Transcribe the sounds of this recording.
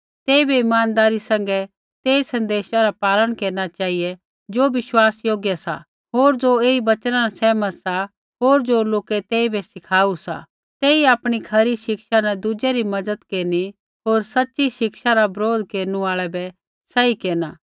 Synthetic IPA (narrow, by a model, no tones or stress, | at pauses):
t̪eːibɛɪmaːnd̪aːɾisɛ̃ŋ̆ɡɛ | t̪eːsɐ̃nd̪eːʃaɾapaːləɽ̃keːɾnat͡ʃaːijɛ | d͡ʒoːʋɪʃwaːsjoːɡjasa̰ | ɦoːɾd͡ʒoeːibɐt͡ʃɾãasɛːməsa | ɦoːɾd͡ʒoːloːkɛt̪eːibɛsɪkʰaːusa̰ | t̪eːiaːpɽ̃ikʰɐɾiʃɪkʃanɛd̪ud͡ʒɛɾimɐdəd̪keːni | ɦoːɾsɐtːʃiʃɪkʃaɾabɾoːd̪ʱkeːɾnuaːɭɛbɛ | sɛikeːna